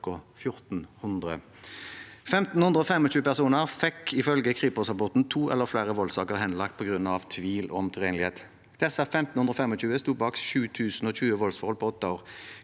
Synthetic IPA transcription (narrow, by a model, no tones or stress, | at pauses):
kʊfjʊʁt̪n̩hʉnd̪ʁə | fɛmt̪n̩hʉnd̪ʁəɔːfɛmɔt͡ʃʉːəpæʁsuːnəʁfɛkːɪfœlɡəkʰʁiːpɔsɑbɔt̪n̩t̪ʰuːʔɛ̰lːəʁflæːʁəʋɔlsɑ̰ːkəʁhɛnlɑk̚t̪̚pʰɔɡʁʉnɑʋt̪ʰʋiːlɔ̰mt̪ʰʁeːnlɪheːt̪ | d̪̥ɛsəfɛmt̪n̩ʉnd̪ʁɔːfɛmɔc͡çʉːəst̪uːbɑːksʃʉːt̪ʰʉːsn̩ɔːɕʉːəʋɔlsfɔʁɔlpʰɔɔt̪ːɑoːʁ